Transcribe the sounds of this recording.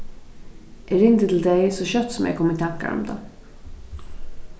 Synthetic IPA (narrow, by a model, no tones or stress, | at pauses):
ʔæɖʉɪnt̪ət̪ʰɪld̪ɛjsɔɕœt̪ːsɔmjɛ̰kʰɔmːət̪ʰakːa̰ɾɔ̰md̪ɑ̰